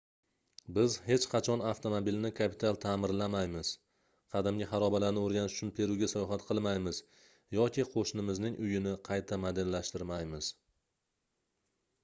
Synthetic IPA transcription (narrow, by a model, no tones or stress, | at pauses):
bɪzhe̞t͡ʃqʰɑt͡ʃʰɒnaft̪ʰomobilnɪkʰapʰɪt̪ʰalˠt̪ʰaːmɪɾlamajmɪz̥ | qʰɑd̪ɪmɡʲɪhɑɾɒbalaɾnɪoɾɡʲanɪʃʊt͡ʃʰʊnpʰe̞ɾuɡʲasajɒɦat̪qʰɨlˠmajmɪz | jɒkʲʰiqʰoʃnɪmɪznɪŋʔʊjɪnɪqʰɑjt̪ʰamad̪ɪnlaʃt̪ɪɾmajmɪz̥